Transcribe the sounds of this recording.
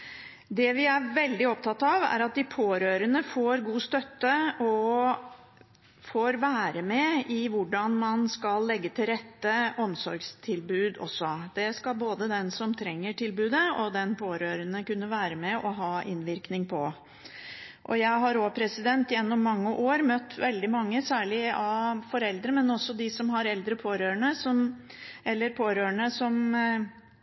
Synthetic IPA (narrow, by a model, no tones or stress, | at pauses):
d̪ɛʋɪæɾʋɛld̪ɪɔp̚t̪ʰɑt̪ːɑʋæ̰ɾɑt̪̚d̪ɪpʰoːɾøːɾənəfoːɾɡuːst̪œt̪ːəɔ | foːɾʋæːɾəmɛɪʋʊɖɑnmɑnskɑlːɛɡːət̪ʰɪlɾɛt̪ːəɔmsɔɾɡst̪ʰɪlbʉːd̪ɔ̰sːɔd̪̥ɛskɑlboːd̪əd̪ɛnsɔmt̪ʰɾɛŋːəʈʰɪlbʉːd̪əɔd̪ɛnpʰoːɾøːɾənəkʉnːəʋæːɾəmɛʔɔɦɑːʔɪnʋɪɾknɪŋpʰɔ | ʔɔ̰jæɪɦɑɾoːpʰɾɛsɪd̪ɛnt̪jɛnːɔmːɑŋːəʔoːɾmœt̪ːʋɛld̪ɪmɑŋːəsæːɭɪɑfɔɾɛld̪ɾəmɛnɔsːɔd̪ɪsɔmɦɑɾɛld̪ɾəpʰoːɾøːəɳəsɔm | ʔɛlːəɾpʰoːɾøːəɳəsɔm